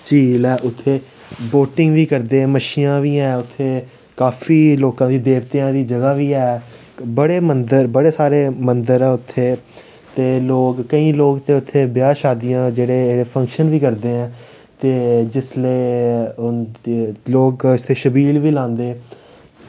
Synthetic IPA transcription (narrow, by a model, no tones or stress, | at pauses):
t͡ʃiːlɛːʔʊt̪ʰːeː | boːʈɪ̃ŋɡʋiːkəɾd̪eːɛ̃ːməʃiːãːʋiːɛːʊt̪ʰːeː | kaːfʰiːloːkãːd̪iːd̪eːʋt̪eãːd̪iːd͡ʒəɡaːʋiːɛː | bəɽeːmənd̪əɾbəɽeːsaːɾeːmənd̪əɾɛːʊt̪ʰːeː | t̪eːloːkkəĩːloːɡt̪eːʊt̪ʰːeːbɪjaːʃaːd̪ijãːd͡ʒeːɽeːeːɽeːpʰə̃ŋkʃənʋiːkəɾd̪eːɛ̃ː | t̪eːd͡ʒɪsleiʊnːloːkʊst̪ʰeːʃəbiːlʋiːlãːnd̪eː